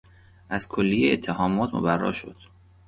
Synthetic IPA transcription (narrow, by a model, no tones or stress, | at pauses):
ʔæzkʰolːijeet̪ʰːehɒːmɒːt̪ʰmo̰bærːɒ̰ːʃo̰d̪̥